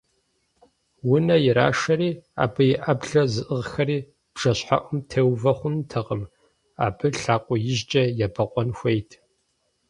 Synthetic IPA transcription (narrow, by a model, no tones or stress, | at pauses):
wʊnɐjɪɾa̰ːʂɐɾiːa̰ːbɨjɪʔɐbɮɐzɨʔəʁxɐɾiː | b̥ʐ̥ɐɕħa̰ʔʷʊmtʰeːwvɐχʷʊntʰɐqəm | a̰ːbɨɬaːqʷʼɔjɪʒt͡ʃʼɐjabɐqʷʼɔnxʷejtʰ